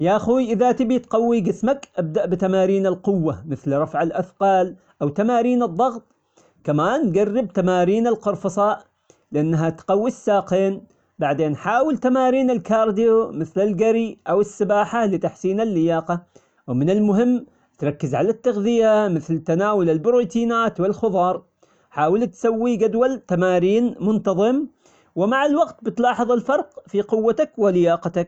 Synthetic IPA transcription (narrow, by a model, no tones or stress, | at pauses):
jaʔaxuːjʔɪðat̪ɪbit̪qɑwːiɡɪsmakʔab̚d̪aʔbɪt̪amaːɾiːnɪlqʊwːamɪθlɾˤɑfʕalʔaθqɑːl | ʔawt̪amaːɾiːnɨðˤːɑɣt̪ˤ | kamaːnɡarːɪb̚t̪amaːɾiːnɪlqʊɾˤfɑsˤɑːʔ | lɪʔanːɦat̪qɑwːisːaːqeːn | baʕd̪eːnħaːwɪlt̪amaːɾiːnɪlkɑːɾˤd̪ɪjomɪθlɪlɡaɾiʔawɪsːɪbaːħalɪt̪aħsiːnalːɪjɑːqɑ | wmɪnɪlmʊɦɪmː | t̪ɾˤɑkːɪzʕalat̪ːaɣðɪjamɪθlt̪anaːwʊlɪlbɾoːt̪iːnaːt̪wɪlxʊðˤɑːɾˤ | ħaːwɪlt̪sawːiɡad̪walt̪amaːɾiːnmʊnt̪ɑðˤɨm | wɪmaʕalwaɡt̪̚bɪt̪lɑːħɨðˤɪlfɑɾˤqfiqʊwːat̪akwɪlɪjɑːqɑt̪ak̚